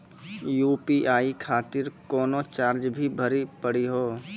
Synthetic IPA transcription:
juːpiʔaːikʰaːt̪ɪɾkɔːnot͡ʃaːɾd͡ʒbʱibʱəɾipəɽiɦoː

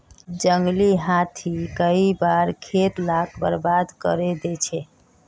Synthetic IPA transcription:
d͡ʒəŋɡliɦat̪ʰikəibaɾkʰet̪lak̚bə̰ɾbad̪kə̰ɾed̪et͡ʃʰɛ

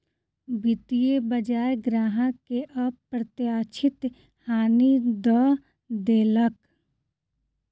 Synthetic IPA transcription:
bɪt̪ijebəd͡ʒaːjɡɾaːɦãkeʔɐbpɾət̪jaːt͡ʃʰɪt̪ | haːnid̪ɔ | d̪eːlək

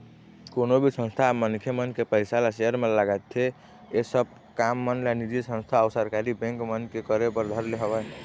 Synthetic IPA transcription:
konobʱisə̃nst̪ʰamənkʰjemənkepəɪsalaseəɾmeləɡat̪ʰːe | esəb̚ | kamːənlanid͡ʒisə̃nst̪ʰaəʊsəɾkaɾibɛ̃ŋkmənkekəɾepəɾd̪ʱəɾleɦəbəj

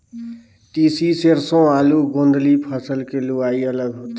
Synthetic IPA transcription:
ʈisiseɾsõaluɡõnd̪lipʰəsəlkeluaiələɡɦot̪

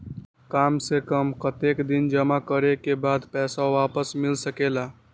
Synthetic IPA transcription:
kamsekəmkət̪ekd̪ind͡ʒəmakəɾekebad̪pɛsaoapəsmilsəkela

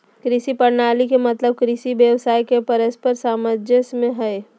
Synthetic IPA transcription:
kɾɪsipɐɾnaːlikemɐt̪ləb̚kɾɪsibjəwsaːikepɐɾəspəɾsaːməd͡ʒəsmẽɦɛe

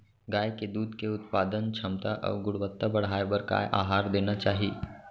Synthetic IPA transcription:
ɡaːjked̪uːd̪keʊt̪̚paːd̪ənt͡ʃʰɐmt̪aʔɔ̰ːɾɡʊɽʋət̪ːabɐɽ̤aːebɐɾka̰ʔa̰ːɦaːɾd̪eːnat͡ʃaːɦieː

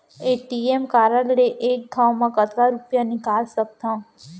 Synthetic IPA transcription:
eʈiemkaɾəlɾeʔek̚ɡ̪ʱawmãkət̪ʰɾaɾupjaniɡalsəp̚t̪ʰã

